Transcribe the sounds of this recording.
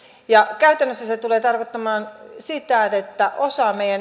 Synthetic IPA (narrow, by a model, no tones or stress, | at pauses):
jɑkæyt̪ænːøsːæset̪uleːt̪ɑrkot̪ːɑmɑːnsit̪ætet̪ːæʔosɑmeijæn